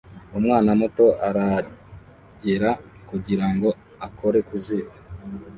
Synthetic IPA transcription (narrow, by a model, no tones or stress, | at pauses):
umŋaːnamuto̞ʔaɾa | ɟeɾakuɟiɾaŋɡo̞ | ako̞ɾe̞kuziβa